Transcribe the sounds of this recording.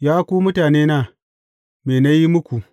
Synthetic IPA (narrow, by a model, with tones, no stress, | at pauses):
jaː˦ku˦mʊ˦taː˨neː˦naː˦ | meː˨na˦ji˦mu˦ku˨